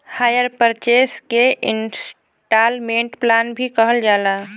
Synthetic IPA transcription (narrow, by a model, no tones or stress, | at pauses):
haːjəɾpəɾt͡ʃeːskeʔɪns | ʈaːlmẽːɳʈplaːnbʱikəɦəld͡ʒaːlaː